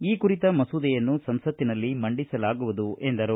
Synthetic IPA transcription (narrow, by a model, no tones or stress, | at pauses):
iːkuɾit̪ɐmɐsud̪ɛjɐnːusɐmsɐt̪ːinɐlːimɐɳɖisɐlaːɡuʋud̪uʔe̞nd̪ɐɾu